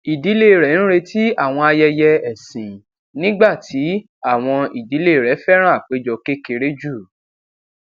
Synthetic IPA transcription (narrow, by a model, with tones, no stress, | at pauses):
i˨di˨˦le˦˨ɾɛ˨˦ñ̩˦ɾe˧tʰi˦a˦˨w̃ɔ̃˧a˧jɛ˧jɛ˧ɛ˨sĩ˨ | nĩ˦ɡ͡ba˦˨tʰi˨˦ | a˦˨w̃ɔ̃˧i˨di˨˦le˦˨ɾɛ˨˦fɛ˦ɾ̃ã˦˨k͡pe˨˦d͡ʒɔ˧ke˦ke˧ɾe˦d͡ʒu˦˨